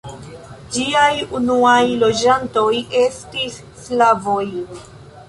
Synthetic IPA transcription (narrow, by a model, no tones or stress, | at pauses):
d͡ʒiajunuajlo̞d͡ʒanto̞jʔe̞stisːlavo̞j